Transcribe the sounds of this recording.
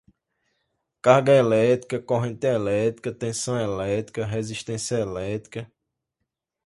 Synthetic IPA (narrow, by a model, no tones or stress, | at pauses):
kaɾɡɐelɛt̪ɾikɐkoɦẽnt̪ɪɐelɛt̪ɾikɐt̪ẽsɐ̃w̃ɛlɛt̪ɾikɐɦeziʃt̪ẽsjɐelɛt̪ɾi̥kɐ